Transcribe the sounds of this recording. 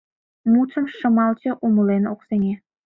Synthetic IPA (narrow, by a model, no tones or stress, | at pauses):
mut͡sə̆mʃə̆mɑlˠt͡ɕə̆ʔumə̆leno̰qseŋe